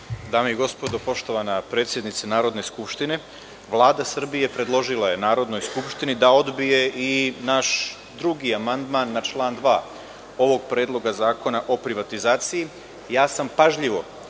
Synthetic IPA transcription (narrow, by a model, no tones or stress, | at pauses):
d̪aːmeiɡo̞spo̞d̪opo̞ʃt̪o̞ʋanapɾe̞ːt̪sjed̪nit̪sanaːɾo̞d̪ne̞skupʃt̪ine̞ | ʋlˠaːd̪asr̩bije̞pɾe̞d̪lˠo̞ʒilˠaje̞naːɾo̞d̪no̞jskupʃt̪inid̪ao̞d̪bije̞ʔinaʃ | d̪ɾuɡiamand̪manːat͡ʃlˠaːnd̪ʋaː | o̞ʋo̞ɡpɾeːd̪lˠo̞ɡazaːko̞naʔo̞pɾiʋat̪izaːt̪siji | jaːsampaʒʎiʋo̞